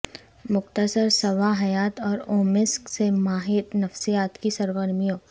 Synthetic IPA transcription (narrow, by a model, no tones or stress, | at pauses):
mʊqt̪əsəɾsɐwaɦɐjaːt̪ɔːɾoːmɪsksemaːɦɪt̪nɐfsijaːt̪kisɐɾɡəɾmijõː